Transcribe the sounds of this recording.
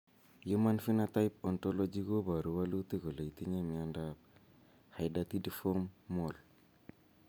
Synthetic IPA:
ju˦ma˦nfi˦na˦ta˦jp̚o˨nto˦lo˦d͡ʒi˦ɡo˦ba˨ɾu˨wa˦lu˦t̪i˦ɡo˨le˨jti˦ɲe˦mi˨a˦nda˦b̚ | ha˨jda˦t̪i˦di˦fo˦mːo˨l

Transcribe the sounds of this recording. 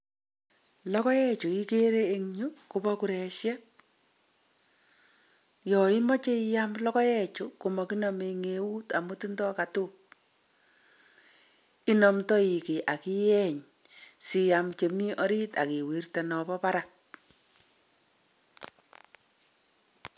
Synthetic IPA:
lɔ˦kɔ˦jɛ˦t͡ʃu˨i˦ke˦ɾe˦e˦ŋɲu˦ku˨bɔ˦ku˨ɾɛ˨ʃjɛ˦t̚ | jɔ˨i˦mɔ˦t͡ʃe˦jamlɔ˦kɔ˦jɛ˦t͡ʃuko˨mɔ˨ki˦nɔ˨me˨ŋe˨u˦ta˨mu˦ti˦ndɔ˦ka˨tʊ | i˦nɔ˨mtɔ˦i˨ke˨ʔa˨ki˦jɛ˦ɲ | si˨ja˨mt͡ʃe˨mi˦ʔɔ˦ɾi˦ta̰˨ki˨wi˨rta˨nɔ˨bɔ˦pa˦ɾa˨k̚

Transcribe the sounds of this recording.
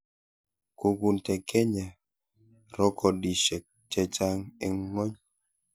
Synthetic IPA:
ku˨ɡu˨n˨tɛ˨kʰɛ˦ɲa˨ | ɾɔ˦kʰɔ˨di˨ʃɛ˨k̚t͡ʃɛ˦t͡ʃa˦ŋe˨ŋ˦ŋɔ˦ɲ

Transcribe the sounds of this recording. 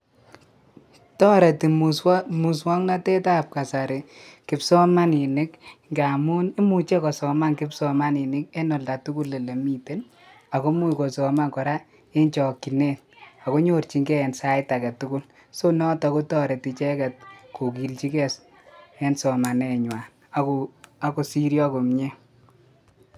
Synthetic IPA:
tɔ˦ɾɛ˨ti˨musmu˨swɔ˦ŋna˦tɛ˦ta˦p̚ka˨sa˨ɾɪ˨kɪ˨psɔ˦ma˦ni˨ni˦kŋɡa˨mu˦ni˦mu˨t͡ʃe˦kɔ˨sɔ˨ma˦nkɪ˦psɔ˦ma˦nɪ˨nɪ˦k̚ɛ˦nɔ˨lda˨tu˦ku˦lːe˨le˨mi˨te˦n | a˨ko˦mu˦jko˨sɔ˨ma˦nkɔ˨ɾa˦ | e˦nt͡ʃɔ˨ki˨ne˦t̚a˨ko˦ɲo˦rt͡ʃi˦ŋɡɛ˦ɛ˨nsa˦ɪta˨kɛ˨tʊ˦kʊ˦l | so˦nɔ˦tɔ˨ko˦tɔ˦ɾɛ˨ti˨t͡ʃɛ˦kɛ˨t̚ko˨ki˨lt͡ʃi˦kɛ˦s | ɛ˦nsɔ˨ma˨nɛ˨ɲwa˨n | aka˨ko˨si˦ɾjɔ˦ko˨mɲe˦

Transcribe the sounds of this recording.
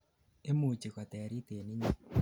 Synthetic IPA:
e˦mu˨t͡ʃi˨ka˨t̪ɛ˨ɾi˦t̪e˨ni˦ɲi˨

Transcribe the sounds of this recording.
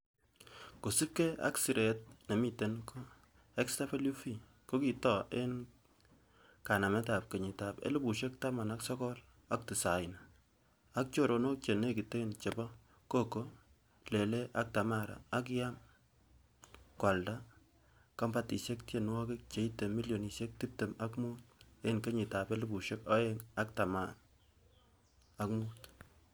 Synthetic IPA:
ko˨si˦p̚ke˦a̰˦ksi˨ɾe˨t̚ne˨mi˦te˨nko˦ | ɛ˦ksta˦pe˦lu˦fi˦ | ko˦ki˨tɔ˨ʔe˦n | ka˨na˨mɛ˦ta˨p̚ke˨ɲi˨ta˨pḛ˦lu˦bu˨ʃe˦k̚ta˦ma˨naksɔ˦kɔ˦l | a˦k̚ti˨sa˨ɪna | a˦k̚t͡ʃo˨ɾo˨no˦k̚t͡ʃe˨ne˦ki˨te˦nt͡ʃe˨bɔ˦ | ko˦ko˦ | le˨le˦ʔa˦k̚ta˨ma˦ɾa̰ː˨˦k̬ja˦m | kwa˨lda˦ | ka˦mba˦ti˨se˦k̚te˦˨nwɔ˦kɪ˦k̚t͡ʃe˨˦i˦te˨mi˦ljo˨ni˨se˦k̚ti˦te˨ma˦kmu˦t̚e˦˨nke˦ɲi˨ta˨be˦lu˦bu˨ʃe˦kɔ˦je˦ŋa˦k̚ta˨ma˨n | a˦kmuː˦t

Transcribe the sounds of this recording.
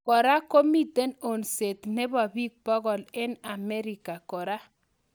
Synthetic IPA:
kɔ˨ɾa˦ko˦mi˦te˦no˨nse˨t̪ne˦bɔ˨bi˦k̚pɔ˦ɣɔ˨lɪ˦na˨me˦ɾi˨ka˨kɔ˨ɾa˦

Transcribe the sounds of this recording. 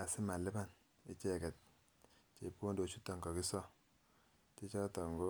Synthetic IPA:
a˨sɪ˦ma˨lɪ˦ba˦n | ɪ̰˦t͡ʃe˦˨kɛ˨t̚ | t͡ʃe˨po˦ndo˨t͡ʃu˦tɔ˨ŋkɔ˨ki˦sɔ˦ | ti˦t͡ʃɔ˦tɔ˨ŋɡo˦

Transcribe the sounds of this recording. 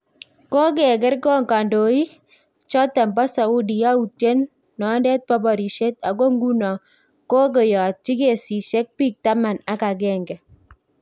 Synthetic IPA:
ko˦k̬ɛ˨ɡ̬ɪ˦rkɔ˦ŋka˨ndo˨i˦ | t͡ʃɔ˦tɛ˨mba˦sa˨u˦di˨ja˦u˨tje˦nː | ɔ˨˦ndɛ˦t̚pa˦bɔ˨ɾi˨ʃe˦ta˨ɡo˦ŋɡu˦nɔ˨ | ko˦k̬ɔ˨jɔ˨t̚t͡ʃi˦ke˨si˨ʃɛ˦k̚piː˦k̚ta˦ma˨na˦ka˨ɡɛ˦ŋɡɛ˨

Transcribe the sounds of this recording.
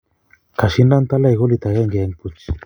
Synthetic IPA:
ka˨ʃi˦nda˦nt̪a˦la˦i˨ɣo˦li˨t̪a˨ɣɛ˦ŋɡe˨ɛ˦ŋpu˦t͡ʃi̥

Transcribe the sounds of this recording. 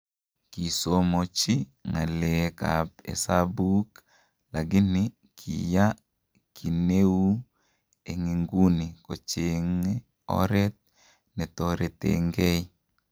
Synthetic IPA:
ki˨somo˨t͡ʃi˦ŋa˨leka̰pḛ˨sabu˦k | laɡɪ˦nɪ | kʰḭja˦ | kʰi˨ne˦wu˦ | e˨ŋi˨ŋɡu˦ni˨ko˨t͡ʃeŋe | ɔ̰˦ɾɛt̪̚ | nɛ˨t̪oɾe˨t̪ḛŋɡe˦i

